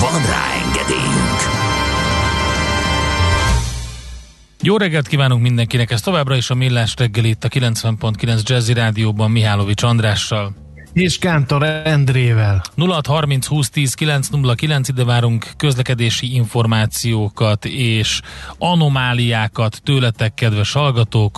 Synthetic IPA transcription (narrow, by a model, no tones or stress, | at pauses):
vɒnra̰ːɛ̰ŋɡɛ̰d̪ḛːjy̰ŋk | joːɾɛɡːɛlt̪kiːvaːnuŋkmind̪ɛŋkinɛkɛst̪o̞vaːbrɒeːʃɒmilːaːʃrɛɡːɛlit̪ːɒkilɛnsvɛmpo̞nt̪̚kilɛnzd͡ʒɛziɾaːd̪ijoːbɒmːiɦaːlo̞vit͡ʃɒnd̪raːʃːɒl | eːʃkaːnt̪oɾɛnd̪ɾeːvɛlnulɒt̪hɒrmint̪shuːst̪iːskilɛnt̪snulːɒkilɛnsid̪ɛvaːɾuŋkːø̞zlɛkɛd̪eːʃiiɱfo̞rmaːt̪sijoːkɒt̪eːʃɒno̞maːlijaːkɒt̪ːøːlɛt̪ɛkːɛd̪vɛʃhɒlɡɒt̪oːk